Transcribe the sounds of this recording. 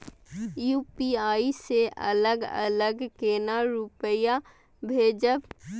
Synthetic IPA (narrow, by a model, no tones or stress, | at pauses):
juːpiaːiseʔɐ̰ləɡə̰ləɡkeːnaɾʊpəja | bʱeːd͡ʒəb